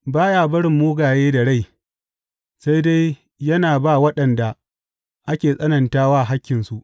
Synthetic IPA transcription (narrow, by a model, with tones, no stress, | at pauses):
baː˦jaː˨bɐ˦ɽɪ˨mːuː˦ɡaː˨jeː˦da˨ɽa˦˨j | sa˦jda˦j | jɐ˦naː˨ba˦˨wɐ˦ɗɐ˨nda˨ | ʔa˦kʲeː˨sʼɐ˦nɐ˨ntaː˦waː˦ʔɦa˦kʲːɪ˨nsu˨ʔ